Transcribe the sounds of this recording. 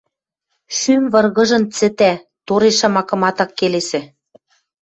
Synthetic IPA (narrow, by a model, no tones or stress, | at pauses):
ʃymvɤ̆rɣɤ̆ʒɤ̆nt͡sɘ̆t̪æ | t̪oɾeʃɑmɑkɤ̆mɑt̪ɑkːelesɘ̆